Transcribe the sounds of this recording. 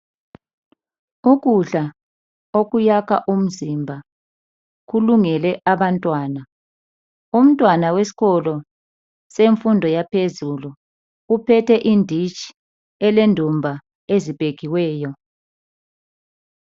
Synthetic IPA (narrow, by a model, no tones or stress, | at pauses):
uɣuɮa | oɣujakʰa̰ʔum̩zimbʱa | ɣuluŋɛlɛʔaβantʼwaːna | um̩tʼwanawesi̥ɣɔlɔ | seɱfundʱɔjapʰezulu | upʰɛtɛʔindʱit͡ʃʼi̥ | ɛlendʱumbʱa | ezib̥ʱeɣiwɛːjɔ